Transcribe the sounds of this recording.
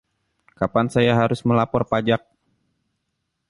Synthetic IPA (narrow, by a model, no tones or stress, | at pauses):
kapansajaɦaɾʊsməlapɔrpad͡ʒak̚